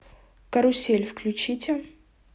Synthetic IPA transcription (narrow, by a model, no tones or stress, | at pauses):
kɐɾʊsʲelʲfklʲʉt͡ɕitʲɪ